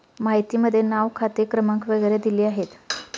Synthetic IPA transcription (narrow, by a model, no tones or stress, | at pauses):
maɦjt̪iːməd̪ʱːjenaʋkʰat̪ekɾəmãŋkʋəɡəjɾed̪iliːaɦet̪